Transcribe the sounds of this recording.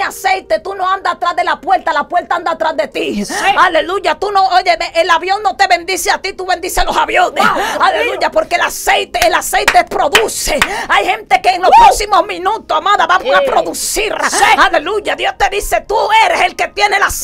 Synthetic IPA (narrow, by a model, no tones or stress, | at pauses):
ase̞jt̪et̪uno̞ãnd̪aat̪ɾazðe̞lapwe̞lt̪alapwe̞lt̪aand̪aːt̪ɾazðe̞t̪iale̞luʝat̪uno̞oʝe̞meʔelaβjo̞ŋno̞t̪eβe̞nd̪iseat̪it̪uβe̞nd̪isealo̞saβjonesalelujapo̞ɾkelase̞jt̪eːlase̞jt̪eespɾo̞ðuse̞ajhẽ̞nt̪e̞keːŋlo̞spɾoksimo̞zmĩnut̪osamaðaβapapɾo̞ðusiɾaaleluʝaðjo̞st̪e̞ðise̞t̪ue̞ɾese̞lke̞t̪je̞nelas